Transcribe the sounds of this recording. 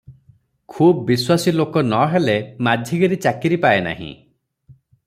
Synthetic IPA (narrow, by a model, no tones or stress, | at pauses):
kʰubbiswasilokɔnɔɦelemadʱjiɡeɾit͡ʃakiɾipaena̰ɦḭ̃